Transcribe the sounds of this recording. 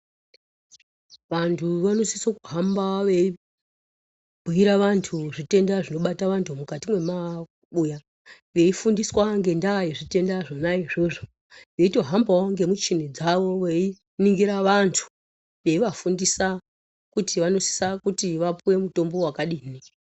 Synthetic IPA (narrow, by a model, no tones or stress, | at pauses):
ʋantʰuʋano̞sisokuɦambaʋei | bʱuiɾaʋantʰuʐite̞ndaʐino̞ɓataʋantʰumukatimwe̞ma | ɓuja | ʋe̞ifundiswaŋɡe̞ndajeʐite̞ndaʐonaiʐoʐo | ʋe̞ito̞ɦambawoŋɡe̞mut͡ʃin̤id͡zaʋo̞ʋei | niŋɡiɾaʋantʰu̥ | ʋe̞iʋafundisa | kutiʋano̞si̥sakutiʋapuwe̞muto̞mbo̞wakaɗiːni